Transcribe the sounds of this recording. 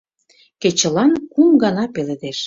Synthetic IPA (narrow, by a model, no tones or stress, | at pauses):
ket͡ɕə̆lɑnkumɡɑnɑpeled̪eʃ